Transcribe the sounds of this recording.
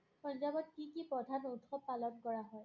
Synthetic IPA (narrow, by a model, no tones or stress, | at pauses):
pɔnzabɔt̚kikipɹɔdʱanotxɔpːalɔnkɔɹaɦɔj